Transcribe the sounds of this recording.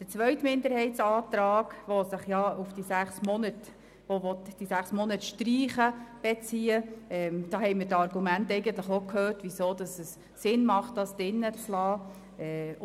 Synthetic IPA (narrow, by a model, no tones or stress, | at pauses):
d̥ət͡sʋœʏtmɪnd̪əɾhɛɪtt͡sɑːtɾɑːɡ̥ʋɔsəχjɑufd̥isæχsmɔnət | oʋɔtd̥isæχsmɔnətʃtɾiːχəb̥et͡siːəɛmd̥ɑːɦhɛɪmɪɾtɑɾɡ̥umæntɛɪɡəntləχokʰhøːɾtʋisoːd̥ɑsəs | sɪnmɑχt̚d̥ɑsd̥ɪnːət͡slɑː | ɛ